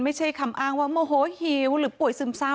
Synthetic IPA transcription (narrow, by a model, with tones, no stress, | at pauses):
ma˥˩jt͡ɕʰa˥˩jkʰa˧˩mʔaː˧˥˩ŋwaː˥˩moː˧˩ɦoː˨˦hi˧˦wɾɯː˨˦pu˨˩əjsɯ˧˩msa˧˥˩